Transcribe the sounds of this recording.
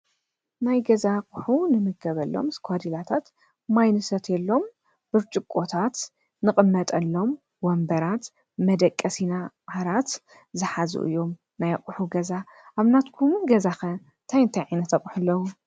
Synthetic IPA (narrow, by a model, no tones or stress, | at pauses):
najɡɐzakʼʊħunɨmɨɡɐβɐlːo̰mskʷʰad̪ilat̪ʰat̪ | majnɨsɐt̪ʰjɛlːo̞m | b̥ɨβt͡ʃʼɨkʼːo̞t̪ʰat̪ | nɨkʼɨmːɐt̪ʼɐlːo̞m | wɔmbɐɾat̪ | mɐd̪ɐkʼːɐsinaʔaɾat̪ | zɨħazṵʔɨ̰jːo̞m | najqʼʊħuɡɐza | ʔaβnat̪kʰumɡɐzaxɐ | t̪ʰajnt̪ʰɐjʕajnɐt̪ʰɐkʼħulːɐwu